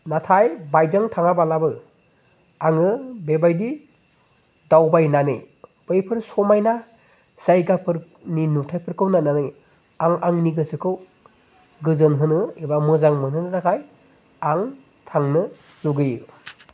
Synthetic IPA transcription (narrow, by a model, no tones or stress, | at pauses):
natʰajbajzaŋtʰaŋabalabɯ | aŋɯbebajdi | dawbajnanɯj | b̥ɯjpʰɯɾsɔmajna | z̥ajɡapʰɯɾ | ninutʰajpʰɯɾkʰɯwnananɯj | aŋaŋniɡɯsɯkʰɯw | ɡɯzɯnɦɯnɯebamɯzaŋmɯnhɯnɯɾakʰaj | aŋ | tʰaŋnɯ | zuɡɯj